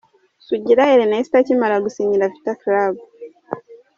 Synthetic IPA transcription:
suɟiɾaeɾenaisi̥tacimalaɡusiɲiɾavitaklabu

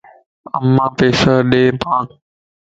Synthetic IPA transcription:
ə̰mːãːpeːsəɗeːpãːk

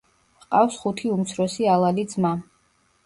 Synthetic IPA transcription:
qʼafsχut̪ʰiumt̪sʰɾɔsialˠalid̪zma

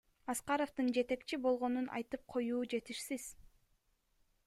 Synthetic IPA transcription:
ɑsqɑɾoft̪ɯnd͡ʒe̞t̪e̞kt͡ʃibo̞lˠʁo̞nunʔɑ̰jt̪ɯp̚qʰo̞juːd͡ʒe̞t̪iʃsiz̥

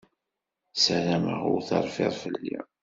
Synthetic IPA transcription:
sælæmə̰ʁʊɾθɑɾˤfiɾˤfəlːḭ

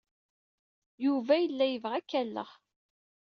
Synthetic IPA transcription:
juvæjəlːæjəvʁækːælːə̰ʁ

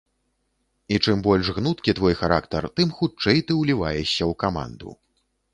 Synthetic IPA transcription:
it͡ʂɨmbɔlʲʂɣnut̪kʲit̪vɔjxaɾakt̪ɐrt̪ɨmxut͡ʂɛjt̪ɨwlʲivajɛɕʲːɐwkama̰nd̪ṵ

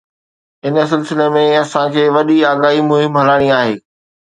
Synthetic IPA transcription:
ɪnəsɪlsɪlemẽɐsãkʰeːʋɐɗiaːɡaːɦimʊɦɪmɦɐlaːɽ̃iaːɦeː

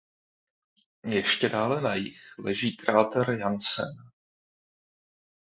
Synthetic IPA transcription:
jɛʃcɛdaːlɛnajɪxlɛʒiːkɾaːt̪ɛɾjansɛ̰n

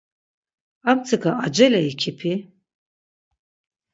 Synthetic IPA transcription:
amt͡sʰɨkaad͡ʒɛlɛikʰipʰi

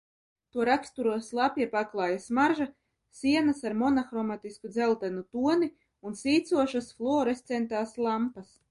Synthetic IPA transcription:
t̪uɔɾakst̪uɾuɔslˠapɛpaklˠɑːjasmaɾʒa | sʲiɛnasaɾmɔnaxɾɔmat̪iskud̪zɛlˠt̪ɛnut̪uɔni | unsiːt̪suɔʃasflˠɔːɾest̪sɛnt̪aːslˠampas

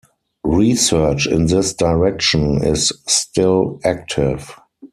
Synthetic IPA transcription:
ɹisɜ˞t͡ʃɪ̰̃nðɪsdaɪɹɛkʃə̃nɪ̰sːtɪlæk̚tʰɪv

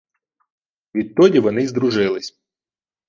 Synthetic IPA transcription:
vʲit̚ʲt̪ːodʲɪvɐnɪzd̪ɾʊʐɪlˠɪsʲ

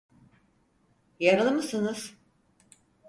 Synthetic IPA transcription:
jaɾɯlˠmɯsɯnɯz̥

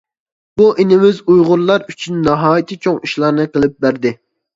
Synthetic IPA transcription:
buʔinɪmɪzujʁʊɾlˠɑɾyt͡ʃʰynːɑɦɑːjit̪ʰɨt͡ʃʰoŋiʃlˠɑɾnɨqəlˠɪp̚bæɾd̪ɪ

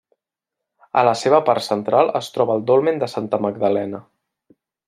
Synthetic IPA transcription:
ə̰ləseβəpaɾt̪sənt̪ɾalˠə̰st̪ɾɔβəːlˠd̪olˠmend̪əsant̪əməɡ̚d̪əlɛnə

